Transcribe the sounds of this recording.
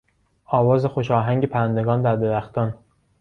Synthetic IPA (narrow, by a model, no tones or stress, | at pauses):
ɒːvɒːzexoʃɒːɦæŋɟepʰæɾænd̪eɡɒːnd̪æɾd̪e̞ɾæxt̪ɒːn